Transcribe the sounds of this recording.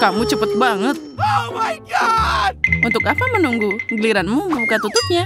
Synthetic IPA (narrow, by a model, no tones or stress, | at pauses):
kamut͡ʃəpət̪̚baŋət̪̚ | unt̪ʊkapamənuŋɡuɡəliɾanmuməbukat̪ut̪ʊp̚ɲa